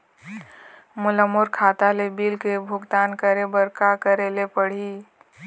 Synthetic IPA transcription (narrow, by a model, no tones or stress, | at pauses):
mʊləmːʊɾkʰaːt̪alebiːlkebʱʊɡt̪aːnkəɾebəɾkakəɾelepəɽ̤i